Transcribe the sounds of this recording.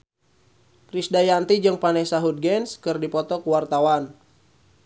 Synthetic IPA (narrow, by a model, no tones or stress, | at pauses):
kɾisdajant̪id͡ʒɨŋpanɛsaɦud̪̚ɡɛnskɨrdipɔt̪ɔkuwart̪awan